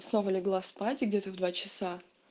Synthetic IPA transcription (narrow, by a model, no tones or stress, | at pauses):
sno̞vəlʲɪɡlˠaspatʲɪɡdʲet̪əvd̪vat͡ɕɪsa